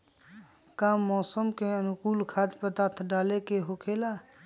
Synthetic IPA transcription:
kaːmːɔːsəmkeənʊkuːlkʰaːd͡ʒ̪pət̪aːt̪ʰɖaːlekeɦokʰeːlaː

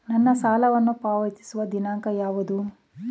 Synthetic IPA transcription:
nɐnːɐsaːlɐʋɐnːupaːʋɐt̪i̥suʋɐd̪inaːŋkɐjaːʋud̪u

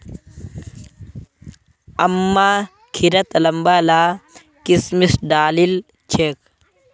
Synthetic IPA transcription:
ɐmːaː | kʰiɾɐt̪lɐmbaːlaː | kismisɖaːlil | t͡ʃʰeːk

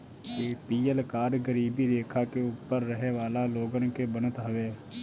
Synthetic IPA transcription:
t̪eːpiːəlkaːɾɡəɾiːbiːd̪eːkʰaːkeʊpːəɾːəɦeːʋaːlaːloːɡənkeːbənət̪ɦəʋeː

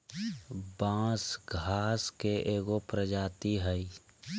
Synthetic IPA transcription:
bãːsɡʱaːskeʔeːɡopɾəd͡ʒaːt̪iɦəi

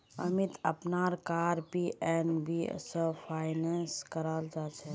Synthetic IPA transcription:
ɐmɪt̪əpnaːɾkaːɾpiʔɛːnbḭsəpʰaːɪnɛːnskəɾaːld͡ʒaːt͡ʃʰɛ

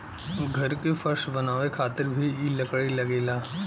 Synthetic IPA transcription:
ɡʱɐɾkefɐɾʃbɐnaːʋekʰaːt̪ɪɾbʱiilɐkɽilɐɡeːlaː

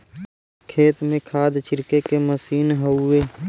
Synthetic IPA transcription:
kʰeːt̪mẽkʰaːd̪t͡ʃʰɪɾkekeməsiːnɦəʊeː

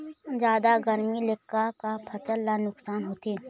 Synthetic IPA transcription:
d͡ʒaːd̪aɡəɾmilɪkːakapʰɐt͡ʃəlːanʊksaːnɦoːt̪eː

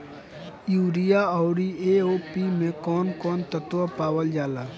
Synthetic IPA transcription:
juːɾijaɔːɾieoːpimẽkɔːnkɔːnt̪ət̪wapaːwəld͡ʒaːlaː

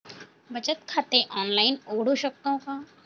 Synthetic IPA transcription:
bɐt͡ʃət̪kʰaːt̪eʔɔːnlaːɪnoːɽ̤oʃɐk̚t̪õkaː

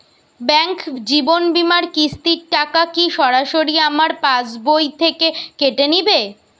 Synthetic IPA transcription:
bɛŋkd͡ʑibonbimaɾkist̪iɾʈakakiʃɔɾaʃoɾiamaɾpãd͡ʑbojt̪ʰekekeʈenibe

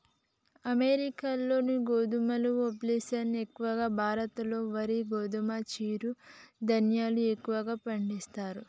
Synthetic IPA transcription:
ɐmeɾikalːo̞ːniɡoːd̪umɐluoplesɐnekːuʋɐɡaːbʱaːɾɐt̪ɐlo̞ːʋɐɾiɡoːd̪umat͡ʃiːɾud̪ɐnjaːluekːuʋɐɡaːpɐɳɖist̪aːɾu

